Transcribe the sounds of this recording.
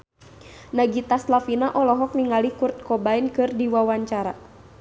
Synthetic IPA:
naɡit̪aslafinaʔɔlɔɦɔk̚niŋalikurt̪̚kɔbainkɨrdiwawaɲt͡ʃaɾa̰

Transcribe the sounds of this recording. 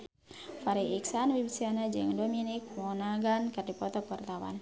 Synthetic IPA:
faɾiʔiksanwibisianad͡ʒɨŋdɔminik̚mɔnaɡankɨrdipɔt̪ɔkərt̪awa̰n

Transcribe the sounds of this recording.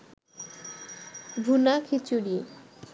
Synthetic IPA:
bʱunakʰit͡ɕuɽie

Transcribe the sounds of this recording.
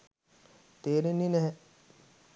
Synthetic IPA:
t̪eːɾenːinɛɦɛ̃

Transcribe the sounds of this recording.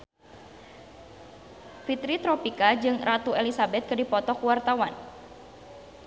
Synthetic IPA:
fit̪ɾit̪ɾɔpikad͡ʒɨŋrat̪uelisabɛt̪̚kɨdipɔt̪ɔkuwart̪awan

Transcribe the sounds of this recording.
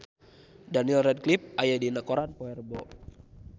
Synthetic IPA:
danilrɛd̚klip̚ajadinakoɾanpɔɛrbɔ

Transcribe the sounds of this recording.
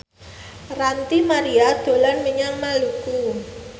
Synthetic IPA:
rant̪imaɾiad̪̥o̤lanməɲaŋnaluku

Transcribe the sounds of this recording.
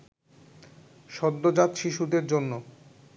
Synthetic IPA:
ʃɔd̪ːod͡ʑat̪ʃiʃud̪eɾd͡ʑonːo

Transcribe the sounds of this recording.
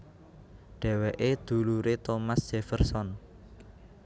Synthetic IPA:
ɖ̥ɛ̤weʔed̪̥ṳluɾet̪omasd̥ʒ̥efərsɔn

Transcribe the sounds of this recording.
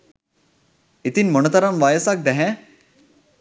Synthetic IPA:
it̪inʲmɔnɐt̪ɐɾɐmʋaːjəsak̚d̪ɛɦɛ̃

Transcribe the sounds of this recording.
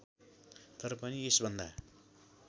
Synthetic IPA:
t̪ʌɾʌpʌniesbʱʌnd̪a

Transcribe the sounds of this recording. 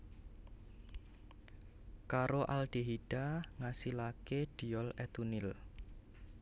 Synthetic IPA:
kaɾoʔalɖ̥e̤ɦiɖ̥aŋasilakeɖ̥i̤ɔlɛt̪unɪl

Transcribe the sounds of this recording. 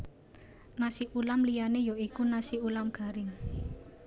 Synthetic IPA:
nasiʔulamlijanejoikunasiulamɡ̥a̤ɾɪŋ

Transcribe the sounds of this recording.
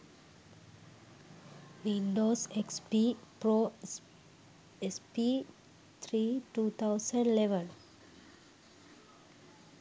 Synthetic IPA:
ʋĩnɖosekspipɾo | espi | t̪ʰɾiʈuːt̪ʰaʊsə̃ɳɖleʋə̃n

